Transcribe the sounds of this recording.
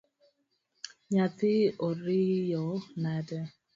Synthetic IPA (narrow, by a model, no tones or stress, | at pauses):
ɲat̪ɪoɾijɔnadɛ